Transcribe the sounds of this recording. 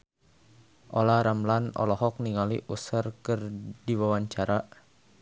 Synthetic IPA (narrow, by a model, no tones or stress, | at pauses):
ʔɔlaɾamlanɔ̰lɔɦɔk̚niŋaliʔusərkɨrdiwawaɲt͡ʃaɾa